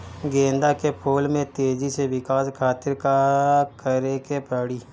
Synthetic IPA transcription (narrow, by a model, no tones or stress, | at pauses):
ɡẽːnd̪akepʰoːlmẽt̪eːd͡ʒiseʋɪkaːskʰaːt̪ɪɾkakəɾekepɐɽiː